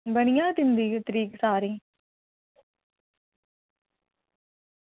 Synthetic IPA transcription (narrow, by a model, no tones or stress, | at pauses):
bənɪjãːt̪ɪnd̪iːt̪əɾiːksaːɾĩː